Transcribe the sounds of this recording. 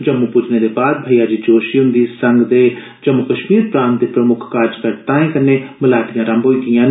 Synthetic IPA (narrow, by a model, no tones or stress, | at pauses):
d͡ʒəmːupʊd͡ʒneːd̪eːbaːd̪̚bʱəijaːd͡ʒiːd͡ʒoːʃiʊ̃nd̪iːsəŋɡd̪eː | d͡ʒəmːʊkəʃmiːɾpɾãːnt̪̚d̪eːpɾəmʊkʰkaːɾd͡ʒkəɾt̪ãːĩːkənːeːmɪlaːd̪ijãːɾəmbɦoːiːkijãːnː